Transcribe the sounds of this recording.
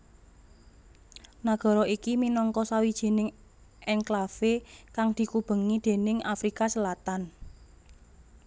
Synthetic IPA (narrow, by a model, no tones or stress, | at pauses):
naɡ̥ɔ̤ɾɔikiminɔŋkɔsawid̥ʒ̥e̤nɪŋ | ɛnklafekaŋd̪̥i̤kub̥ə̤ŋid̪̥e̤nɪŋafɾikasəlat̪an